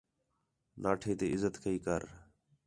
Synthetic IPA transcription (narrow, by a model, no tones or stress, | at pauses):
naːʈʰeːt̪eːɪzət̪kʰəiːkəɾ